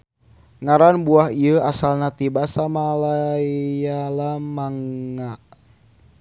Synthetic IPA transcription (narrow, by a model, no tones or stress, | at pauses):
ŋaɾanbuaɦiəasalnat̪ibasamalaijalamaŋːaʔ